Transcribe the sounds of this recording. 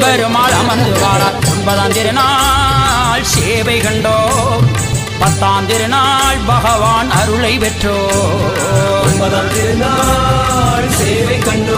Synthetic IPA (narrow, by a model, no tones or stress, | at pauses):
bɐɾɯmaːɭɐmɐnd̪ɯʋaːɾaːʊnbɐðaːnd̪ɪɾɯnaː | lseːʋɐɪɣɐɳɖoː | pɐt̪ːaːnd̪ɪɾɯnaːɭbɐɣɐʋaːnɐɾɯɭɐɪʋɛʈroː | ɔnbɐðaːnd̪ɪɾnaː | lseːʋɐkːɐɳː